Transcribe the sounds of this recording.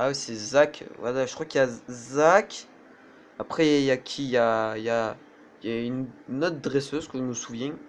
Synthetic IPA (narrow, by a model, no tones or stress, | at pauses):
awisɛzakvwa̰laʒəkχwakjazak | apχɛjakʲʰijaija | jaynːɔt̪̚d̪ʁɛsøzkəʒəməsuvjɛ̃